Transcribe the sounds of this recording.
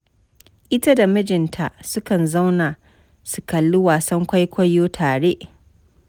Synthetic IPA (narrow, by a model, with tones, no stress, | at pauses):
ʔɪ˦ta˦da˨mɐ˦d͡ʒɪ˨ntʰa˨ʔsʊ˦kɐ˨nza˦wna˨ | su˨kɐ˨lːʊ˦waː˨sɐ˦ŋkʷa˦jkʷɐ˦jːoː˦tʰaː˨ɽe˦ʔ